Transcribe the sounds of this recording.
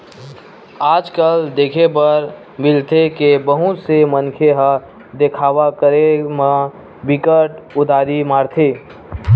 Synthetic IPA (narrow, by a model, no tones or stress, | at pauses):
aːd͡ʒkəld̪eːkʰebəɾ | mɪlt̪ʰekebəɦʊ̃t̪semənkʰeɦə | d̪ekʰaːʋakəɾemã | bɪkəʈʊd̪ʱaːɾimaːɾt̪ʰeː